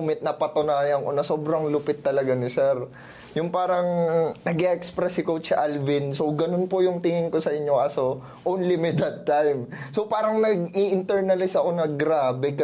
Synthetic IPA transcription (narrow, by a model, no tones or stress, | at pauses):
mɪt̪̚nɐpɐt̪ʊnaːjɐŋkonɐso̞ːbɾɐŋlʊpɪt̪ːɐlɐɡanɪsɛɾ | jʊŋpaːɾɐŋnɐɡɪʔɛkspɾɛsɪkowt͡ʃɪʔalvɪnsowɡɐnonpʊjʊŋt̪ɪŋɪŋko̞sɐʔɪɲjo̞ʔɐso | ʔownlimɪd̪ɐd̪̚t̪ːajmsopaːɾɐŋnɐɡ̚iʔɪnt̪ɛɹnɐlɪsɐko̞nɐɡɾabɛkɐ